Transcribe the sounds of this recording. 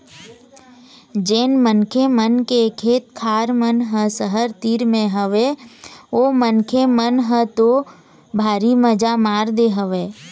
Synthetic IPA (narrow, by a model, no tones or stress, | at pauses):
d͡ʒeːnmənkʰemənkekʰeːt̪kʰaːɾmənɦə̃səɦəɾt̪iːɾmẽɦəʋe | oːmənkʰemənɦət̪o | bʱaːɾiməd͡ʒamaːɾd̪eɦəʋeː